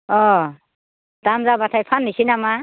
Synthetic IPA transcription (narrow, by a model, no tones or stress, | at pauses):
ɔ | d̥amzabatʰajpʰanːisinama